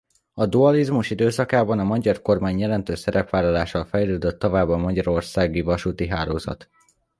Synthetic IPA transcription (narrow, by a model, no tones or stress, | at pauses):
ɒd̪uɒlizmuʃid̪øːsɒkaːbɒnɒmɒɟɒrko̞rmaːɲjɛlɛnt̪øːʃsɛɾɛpʋaːlɒlaːʃɒlfɛjløːd̪øt̪ːovaːbːɒmɒɟɒɾo̞rsaːɡivɒʃut̪iɦaːlo̰ːzɒ̰t̪